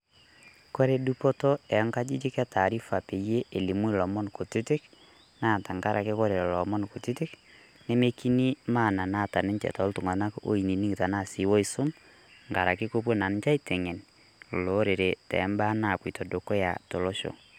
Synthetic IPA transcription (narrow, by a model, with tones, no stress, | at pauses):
ko˦ɾe˨du˦pɔ˦to˦ɛ˨˦ŋka˦d͡ʒi˦d͡ʒi˦kɛ˦tʰa˨ɾi˦fa˨pe˨je˦ʔe˨li˨mu˦i˦˨lɔ˨mɔ˦nko˨tu˦tɪ˦k | naː˦˨ta˨ŋka˦ɾʔa˨ke˦kɔ˦ɾe˨lɔ˨mɔ˦nko˨ti˦tɪ˦k | ne˦me˦ki˦ni˦ma˦˨na˨na˦˨ta˨nɪ˦nt͡ʃɛ̰˨tɔ˨˦ltʊ˨ŋa˨na˦ko̰˦i˨ni˨ni˦ŋɡi˨ta˨na˦˨si˨˦wɔ˦i˨sʊ˦m | ŋɡa˨ɾa˨ki˦ko˦p̬wo˦na˨n˦t͡ʃa˦i˦te˨ŋe˨n | lo˨˦ɾe˨ɾe˨tɛ̰˨˦mba˦na˨pwi˨to˨do˨ko˦ja̰˨to˨lo˦ʃo̰˨